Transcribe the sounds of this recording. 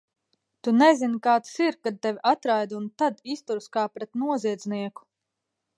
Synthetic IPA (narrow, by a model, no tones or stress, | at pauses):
t̪unɛzinkaːt̪siɾkad̪̚t̪ɛvʲʔat̪ɾajd̪unt̪ad̪ist̪uɾskaːpɾɛt̪nuɔziɛd̪zniɛku̥